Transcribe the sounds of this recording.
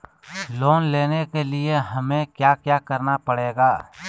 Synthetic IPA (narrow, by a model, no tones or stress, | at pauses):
loːnleːnekelɪeɦɐmẽkjaːkjaːkəɾnapəɽ̤eːɡaː